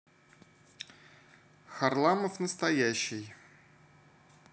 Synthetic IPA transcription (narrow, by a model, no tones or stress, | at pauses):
xɐrlˠaməfnəst̪ɐjæɕːɪj